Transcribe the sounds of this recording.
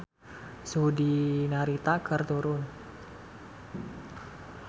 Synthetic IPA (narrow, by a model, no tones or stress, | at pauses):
sodinaɾit̪akʰərt̪uɾʊn